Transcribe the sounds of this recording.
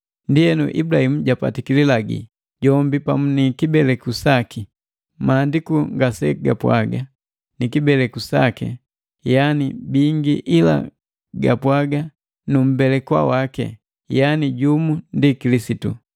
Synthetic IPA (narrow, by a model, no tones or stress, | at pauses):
ndijɛnṵʔḭbulahimuɟapa̰tikililaɡḭ | ɟɔmbipamunikibɛlɛkusaki | maːndikuŋɡasɛɡapwa̰ɡa | nikibɛlɛkusakɛ̰ | janibiŋɡiʔila̰ | ɡapwaɡa | num̩bɛlɛkwa̰wakɛ̰ | janiɟumundikilisitṵ